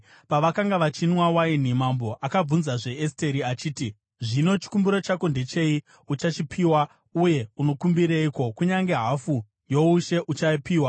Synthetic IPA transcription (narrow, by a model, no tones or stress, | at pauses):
paʋakaŋɡaʋat͡ʃinwawain̤imambo̞ʔakab͡vunzaʐe̞este̞ɾiat͡ʃiːti | ʐino̞t͡ʃi̥kumbiɾo̞t͡ʃakonde̞t͡ʃe̞i | ut͡ʃat͡ʃipʰiːwa | uje̞uno̞kumbiɾeiko̞kuɲaŋɡe̞ɦafu | jouʃe̞ʔut͡ʃaipiːwa